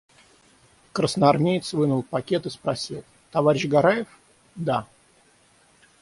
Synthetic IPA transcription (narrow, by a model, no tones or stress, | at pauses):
kɾəsnəɐrmʲejt̪svɨnʊlˠpɐkʲet̪ɨspɾɐsʲilˠ | t̪ɐvaɾʲɪɕɡɐɾajɪf | d̪a